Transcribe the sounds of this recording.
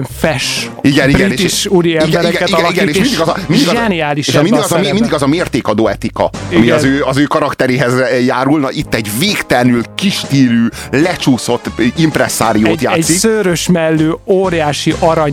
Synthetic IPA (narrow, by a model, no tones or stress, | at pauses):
fɛʃ | iɡɛniɾɡɛinet̪iʃuɾiɛiɡ̪ɛɡɛt̪iɡɛiɡɛnʃneʃmind̪iɡɒzɒmind̪iɛniaːliʃeʃminiɡɒzɒmmind̪iɡɒzɒmeːrt̪eːkɒd̪oːɛt̪ikɒ̰ɒmiɒzøːɒzøːkɒɾɒkt̪ɛɾeːɦɛzjaːɾulnɒʔit̪ːɛɟveːkt̪ɛlnylkiʃt̪iːlyːlɛt͡ʃuːso̞t̪ːimpɾɛsːa̰ːɾijoːt̪ja̰ːsiksøːɾøʃmɛlːøːoːɾjaːʃiʔɒɾɒɲ